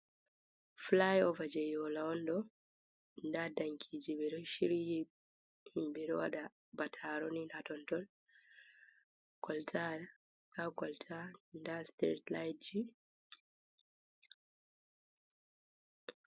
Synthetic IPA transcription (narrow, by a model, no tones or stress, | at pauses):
flajɔvad͡ʒɛjɔlaɔndɔ | ndadaŋkʰid͡ʒibɛɾɔʃiɾiji | himbɛɾɔwa̰ɗa | batʰaɾɔninatɔntɔl | kʰɔltʰaɾa | kakɔltʰandastɾḛtlajt̚d͡ʒi